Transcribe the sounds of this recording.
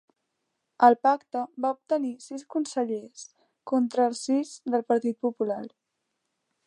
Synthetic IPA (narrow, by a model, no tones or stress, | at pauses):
əlˠpakt̪əbaup̚t̪ənisiskunsəʎes | kont̪ɾəːlˠsizd̪əlˠpəɾt̪it̪̚pupulaɾ